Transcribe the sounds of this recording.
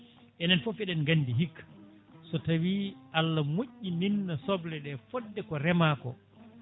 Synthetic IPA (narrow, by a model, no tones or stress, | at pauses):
ʔɛnɛnfofiɗɛnɡandiɦikː | sɔtawiʔalːamoʔːininːasɔblɛɗɛfɔdːɛkɔɾɛmaːkɔ